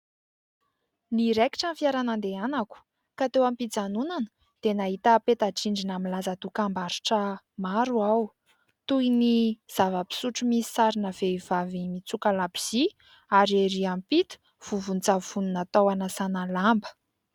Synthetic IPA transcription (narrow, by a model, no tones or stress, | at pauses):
niɾeki̥ʈ͡ʂanfiaɾanand̪eanaku̥ | kat̪ewampid͡zanunanə̥ | d̪̥enaɦit̪əpet̪aʈ͡ʂiɳɖ͡ʐinamilazad̪ukambaɾiʈ͡ʂə | maɾuaw | t̪ujniz̥avəpi̥suʈ͡ʂumisi̥saɾinəv̥eivavimit͡sukalabiz̥i | aɾeɾiampit̪u̥ | v̥uvunt͡savununat̪awanəsanalambə̥